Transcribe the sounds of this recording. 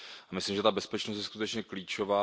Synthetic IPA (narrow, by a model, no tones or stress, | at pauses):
amɪslimʒɛt̪abɛspɛt͡ʃnost̪jɛskut̪ɛt͡ʃɲɛkliːt͡ʃo̞vaː